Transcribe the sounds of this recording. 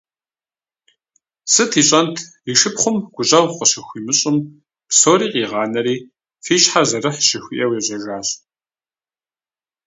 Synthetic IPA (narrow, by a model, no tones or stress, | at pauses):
sɨtʰiːɕʼɐntʰ | iʂɨpχʷʊmɡ̥ʷʊɕʼɐwqʷəɕɪxʷiːmɨɕʼɪm | psoːɾiːqiːʁɑːnɐɾiː | fiːɕħazɐrɨħʃɪxʷiʔɐweːʑʼɐʒaːɕ